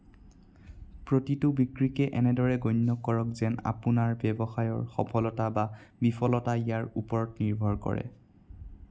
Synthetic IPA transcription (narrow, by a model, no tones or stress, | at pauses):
pɹotitʊbikɹikɛʔɛnɛdɔɹɛɡojnːɔkɔɹɔkzɛna̰punaɹbɛbɔxajɔɹxɔpʰɔlɔtababipʰɔlɔtaijaɹupɔɹɔtniɹbʱɔɹkɔ̰ɹɛ̰